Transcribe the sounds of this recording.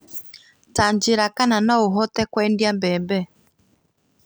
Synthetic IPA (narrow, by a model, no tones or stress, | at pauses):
taɲd͡ʒiɾakananauɦɔtɛkwɛndjambɛmbɛ